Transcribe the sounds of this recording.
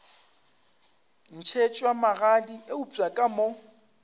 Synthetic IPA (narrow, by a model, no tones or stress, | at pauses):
n̩t͡ʃʰet͡ʃʼwamaɣadiʔeut͡sʼakʼamo